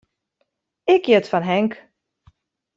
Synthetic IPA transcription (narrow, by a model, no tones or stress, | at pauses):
ɪkjɪtfanɦɛŋk